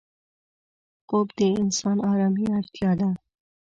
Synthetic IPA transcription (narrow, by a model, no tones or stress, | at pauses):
qobd̪eɪnsɑnɑːɾɑːmiaɾt̪ʰjɑːd̪a